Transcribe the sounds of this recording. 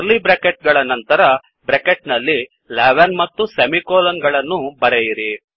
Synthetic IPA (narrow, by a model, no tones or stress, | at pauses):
ɾlibɾekeʈ̚ɡɐɭɐnɐnt̪ɐɾɐ | bɾekeʈ̚nɐlːi | laːʋɐnmɐt̪ːusɐmikoːlɐnɡɐɭɐnːubɐɾejiɾi